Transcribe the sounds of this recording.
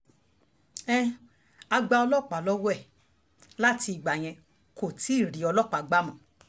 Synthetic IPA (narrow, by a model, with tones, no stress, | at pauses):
ɛ̃˦ | a˧ɡ͡ba˧ɔ˧lɔ˦˨k͡pa˨lɔ˦wɔ˦ɛ˦˨ | la˦ti˧i˨ɡ͡ba˨j̃ɛ̃˧ | ko˨ti˨˦˨ɾi˨˦ɔ˧lɔ˦˨k͡pa˨ɡ͡ba˦mɔ̃˨